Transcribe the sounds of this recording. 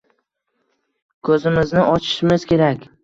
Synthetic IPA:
kʰɵzɪmɪznɪʔɒt͡ʃʰɪ̥ʃɪmɪz̥kʲe̞ɾakʲ

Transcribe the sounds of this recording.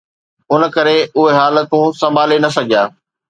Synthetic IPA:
ʊnə̆kɐɾeʊɦeɦaːlət̪ũːsɐ̃mbʱaːlenɐsɐɡʱijaː

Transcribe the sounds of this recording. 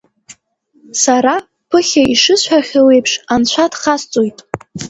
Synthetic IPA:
saɾa | pʰɨχʲaiʂɨsħaχʲale̞jpʰʂant͡ɕʷʰadχast͡sʼojtʼ

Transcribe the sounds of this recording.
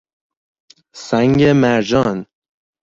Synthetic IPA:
sæŋɡemæɾd͡ʒɒːn

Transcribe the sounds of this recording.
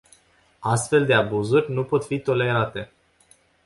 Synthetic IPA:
ast̪fe̞ld̪e̞abuzurʲnupo̞t̪fit̪o̞le̞ɾat̪e̞

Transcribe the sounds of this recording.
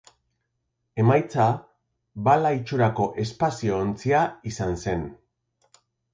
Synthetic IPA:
e̞majt͡sa | balait͡ʃuɾako̞ʔe̞spasio̞ːnt͡siaisanse̞n

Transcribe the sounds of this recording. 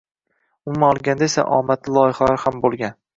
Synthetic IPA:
ʊmaɒlˠɡʲand̪aesa̰ʔɒ̰mat̪ʰlɪlˠɒjɪχalaɾɪhambolˠɡʲan

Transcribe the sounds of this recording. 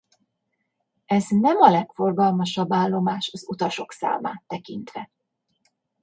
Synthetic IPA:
ɛznɛmɒlɛkfo̞rɡɒlmɒʃɒbːaːlːo̞maːʃɒzut̪ɒʃo̞ksa̰ːma̰ːt̪ːɛkint̪ʋɛ

